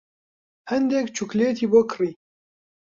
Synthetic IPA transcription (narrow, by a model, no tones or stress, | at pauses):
hɛnd̪ɛkt͡ʃʰukleːt̪ʰiːbokʰɨriː